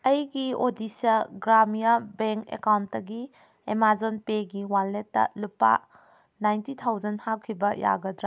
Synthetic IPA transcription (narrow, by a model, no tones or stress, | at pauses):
ɐjɡiodisɐɡɾamijabeŋkḛkawntːɐɡi | emazonpeɡiwalːetːɐ̰lupːa̰ | najntitʰawzɐnhakʰːibɐja̰ɡɐdɾa